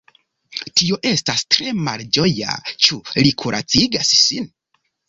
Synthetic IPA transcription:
tio̞ʔe̞stastɾe̞mald͡ʒo̞ja̰t͡ʃulikʰuɾʔa̰t͡siɡassin

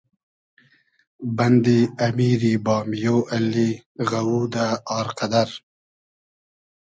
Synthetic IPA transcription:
bɐnd̪iɐmiːɾibɑːmjoːʔalːiɣawuːd̪aɑːɾqad̪aɾ

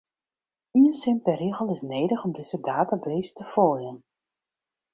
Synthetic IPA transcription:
iənsɪmpɛriɣəlˠɪsneːdəχɔmdɪzədaːtabeːstəfɔːjən

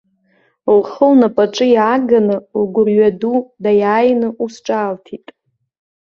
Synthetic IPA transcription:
lχəlnapʼaʈ͡ʂʼɨjaːɡanɨlɡʷʊrɥadudajaːjnɨʔusʈ͡ʂʼaːltʰitʼ

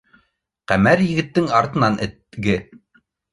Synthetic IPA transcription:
qæmæɾjɘ̆ɡɘ̆t̪ːɘŋɑɾt̪ɤ̆nɑnɘ̰̆t̪ɡɘ

